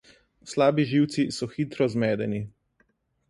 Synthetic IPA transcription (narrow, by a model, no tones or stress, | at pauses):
slaːbiʒiwt̪sisɔxit̪ɾɔzmɛːd̪ɛni